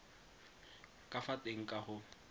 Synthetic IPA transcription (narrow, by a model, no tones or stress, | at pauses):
kʼafatʼeŋ̩kʼahʊ